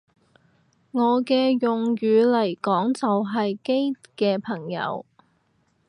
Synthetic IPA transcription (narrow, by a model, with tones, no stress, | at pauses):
ŋɔː˨˧kɛː˧jʊ˨ŋɥyː˨˧lɐ˨˩jkɔː˨˥ŋt͡sɐ˨wɦɐ˨jke˥jkɛː˧pʰɐ˨˩ŋjɐ̰˨˧˥w